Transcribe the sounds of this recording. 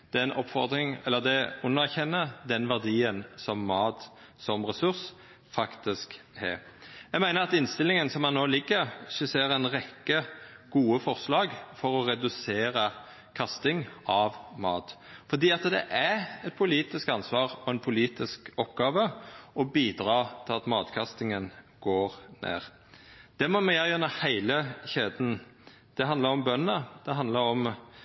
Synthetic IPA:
d̪̥ɛnɔpːfɔʁd̪ɾɪŋɛlːəʁd̪ɛʊnːɑʁçɛnːəd̪ɛnʋæʁd̪iːənsɔmːɑːt̪ | sɔmʁɛsʉʁs | fɑkt̪ɪsk | hɛ̰ | jæɡmæɪnəʁɑt̪ɪnst̪ɪlɪŋənsɔmɑnːoːlɪɡːəɾʃəseːɾɛnʁɛkːəɡ̥uːəfɔʁslɑːɡfɔɾɔɾɛd̪ʉseːɾə | kʰɑst̪ɪŋɑʋmɑ̰ːt̪fɔd̪iːɑt̪d̪ɛ̰ʔæɛt̪̚pʰʊliːt̪ɪskɑnsʋɑːʁɔɛnpʰʊliːt̪ɪskɔpːɡɑːʋəɔbiːd̪ɾɑːt̪ʰɪlɑt̪mɑːt̪kʰɑst̪ɪŋənɡ̥oːʁnḛːʁ | d̪̥ɛmɔmɛjæjønəhæɪləçeːd̪n̩ | d̪̥ɛɦɑnd̪ləɾɔmbœnːəd̪̥ɛɦɑnd̪ləɾɔm

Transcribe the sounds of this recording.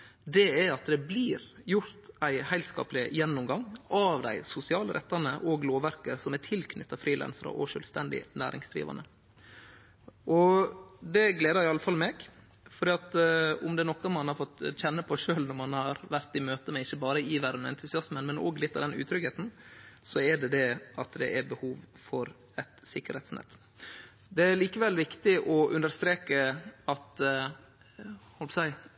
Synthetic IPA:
d̪ɛɛɑt̪d̪ɛbliːɾjʊɾt̪æɪhæɪlskɑ̰ːplɪjɛnːʊmɡɑŋːʔɑʋd̪æ̰ɪsʊsɪɑːləɾʔɛ̰t̪ːɑnəʔoɡloːʋæɾkəsɔmɛt̪ʰɪlkʰnʏt̪ːɑfɾiːlʔɛ̰nsɾə̰ʔɔ̰ʂøːlst̪ɛnd̪ɪ̰næ̰ːɾɪ̰ŋsd̪ɾḭːʋɑ̰nə̰ | ʔɔd̪ɛɡleːd̪əɾɪɑlːəfɑlmeːɡ | fɔɾɖ̪iːɑt̪ʊmd̪ɛæɾnɔkːɑmɑnhɑɾfɔt̪ːçɛnːəpʰɔʂøːlnɔɾmɑnhɑɾʋæɾt̪ɪmøːt̪əmɛɪçːəbɑːɾəɪʋæɾənmɛɛnt̪ʉsɪɑsmənmɛno̰ːɡlɪt̪ːɑʋd̪ɛnʉ̰ːt̪ʰɾʏɡheːt̪n̩sɔɛɖɛd̪ɛɑt̪d̪ɛ̰ʔɛɾbəhuːʋfɔɾ | ɛt̪sɪkːəɾhɛːt̪snɛ̰t̪ː | d̪ɛæɾliːkəʋɛlʋɪkt̪ɪʔɔʔʉnd̪əɾst̪ɾeːkəɑt̪ | hɔlpsæɪ

